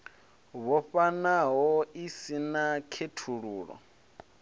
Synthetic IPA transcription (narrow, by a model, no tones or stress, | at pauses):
βɔɸanaɦɔisinakʰetʰuɺuːɺɔ̰